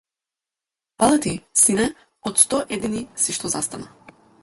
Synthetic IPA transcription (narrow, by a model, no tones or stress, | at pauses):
palˠat̪isinɛ | ɔt̪st̪ɔʔɛd̪inisiʃt̪ɔzast̪ana